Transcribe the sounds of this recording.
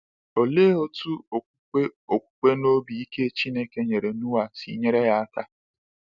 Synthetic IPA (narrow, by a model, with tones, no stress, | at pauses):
o˨le˦o˦tu˦o˨ku˦k͡pe˦o˨kʷu̥˦k͡pe˦no˦bi˨i˦ke˦t͡ʃi˦ne˦ke˦ɲe˨ɾe˨nu˦wa˨tḭ˨ɲe˦ɾe˦ja˦a˦ka˦